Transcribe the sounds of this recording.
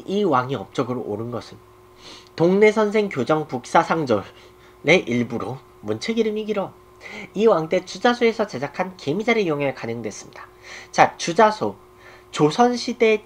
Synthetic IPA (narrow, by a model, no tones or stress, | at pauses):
iwaŋiʌp̚t͡ɕ͈ʌɡɯɾo̰ʔːɾɯnɡʌsʰɯn | toŋne̞sʰʌnsʰe̞ŋkjod͡ʑʌŋpuk̚s͈asʰaŋd͡ʑʌɾː | e̞ʔiɭbuɾo | mɯnt͡ɕʰeɡiɾɯmiɡiɾʌ | iwaŋt͈e̞t͡ɕud͡ʑasʰoe̞sʰʌt͡ɕe̞d͡ʑakʰankemid͡ʑaɾejoŋeɭkanɯŋdwe̞s͈ɯmɲidḁ | t͡ɕat͡ɕud͡ʑasʰo | t͡ɕosʰʌnɕʰide̞